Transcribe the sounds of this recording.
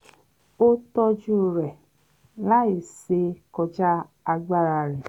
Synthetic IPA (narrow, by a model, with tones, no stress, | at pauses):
o˦tɔ˧d͡ʒu˦˨ɾɛ˨ | la˦i˨se˧kɔ˧d͡ʒa˦ | a˧ɡ͡ba˦ɾa˧˨ɾi˨